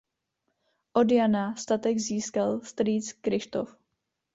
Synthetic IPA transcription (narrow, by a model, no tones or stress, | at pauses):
ʔodjanast̪at̪ɛɡziːskalst̪ɾiːt͡skɾɪʃt̪o̰f